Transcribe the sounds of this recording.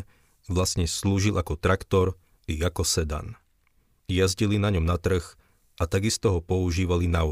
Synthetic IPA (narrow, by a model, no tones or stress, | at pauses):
ʋlasɲɛsluːʒilˠakɔt̪ɾakt̪ɔɾ | iɣakɔsɛd̪a̰n | jazɟilinaɲɔmnat̪r̩x | ʔat̪aɡist̪ɔɦɔpɔuʒiːʋalina